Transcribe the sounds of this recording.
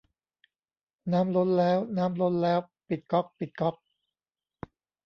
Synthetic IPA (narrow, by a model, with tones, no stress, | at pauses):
naː˦˥mlo˦˥nlɛː˦˥wnaː˦˥mlo˦˥nlɛː˦˥w | pi˨˩t̪̚kɔ˦˥p̚pi˨˩t̪̚kɔ˦˥p̚